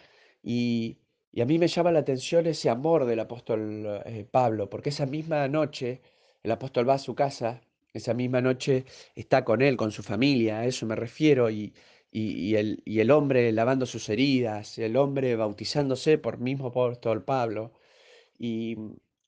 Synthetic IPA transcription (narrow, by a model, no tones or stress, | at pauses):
iː | amĩme̞ʒamalaːt̪e̞nsjo̞ne̞seamo̞ɾðe̞lapo̞st̪o̞lepaβ̞lo̞po̞ɾkeesamizmano̞t͡ʃe̞ː | lapo̞st̪o̞lβaːsukasa | esamizmano̞t͡ʃe̞ːst̪ako̞ne̞lko̞nsufamiljae̞so̞me̞re̞fje̞ɾo̞i | ielie̞lo̞mbɾe̞laβ̞and̪o̞suse̞ɾið̞aselo̞mbɾe̞βawt̪isand̪o̞se̞poɾmiɦmopost̪olpaβlo̞ | i